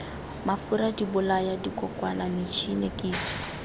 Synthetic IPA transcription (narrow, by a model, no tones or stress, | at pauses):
mafuɾadibʊlajadikʼɔkʼwanamit͡ʃʰinɛkʼiːdi̥